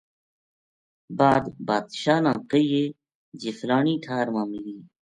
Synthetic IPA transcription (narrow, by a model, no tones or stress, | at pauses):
baːd̪baːd̪ʃaːnãːqəijeː | d͡ʑiflaːniːʈʰaːɾmãːmiliː